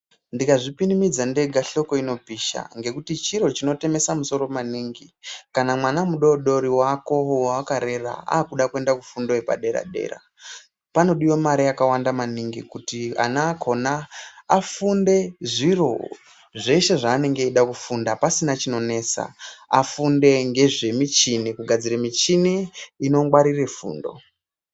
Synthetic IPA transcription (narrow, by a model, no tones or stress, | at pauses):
ndikaʐipinimid͡zande̞ɡʱaɬo̞ko̞ino̞bʱiʃa̰ŋɡe̞kutit͡ʃiɾo̞t͡ʃino̞te̞me̞samuso̞ɾo̞maniŋɡikanamwanamuɗo̞ɗo̞ɾiwako̞waːkaɾe̞ra̰a̰ːkuɗakue̞ndakufundoepa̰ɗe̞ɾa̰ɗe̞̰ɾa̰ | pano̞ɗijo̞maɾijakawandamaniŋɡikutia̰naːkʰo̞naː | funde̞ʐiro̞ | ʐe̞ʃe̞ʐaːne̞ŋɡe̞iɗakufundapasinat͡ʃino̞ne̞ːt͡sa̰a̰funde̞ŋɡe̞ʐe̞mit͡ʃinikuɡʱad͡ziɾemit͡ʃiniino̞ŋɡwaɾire̞fṵːndo̞̰